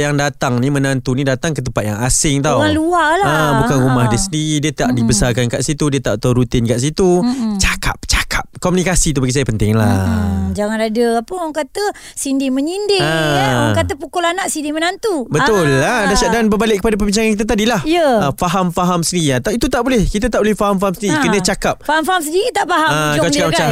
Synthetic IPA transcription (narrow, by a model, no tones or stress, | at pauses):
jaŋdat̪aŋnĩmənant̪unĩdat̪aŋkət̪əmpat̪̚ja̰ŋasɪŋt̪awalualaəbukanɾumahdiəsəndiɾidiət̪aʔdibəsarkankaʔsit̪udiət̪aʔt̪awɾut̪ɪnkaʔs̬it̪ut͡ʃḁkʰap̚t͡ʃḁkʰakomunikasit̪̬ubaɡis̬ajapənt̪ɪŋlad͡ʒaŋanadəapəaŋkat̪ə | sindɪmə̃ɲindɪəɔŋkat̪əpukʊlanaʔsindimənant̪ubət̪ʊladaʃaʔdanbəbalɪkːəpadap̬əbiɲt͡ʃaŋankit̪̬at̪adilahijəəfaɦamfaɦamsəndiɾiat̪ait̪ut̪aʔbolɛhkit̪at̪aʔbolɛhfaɦamfaɦamsəniɾikənə̃t͡ʃakap̚faɦamfaɦams̬əndiɾit̪aʔfaɦaakakaa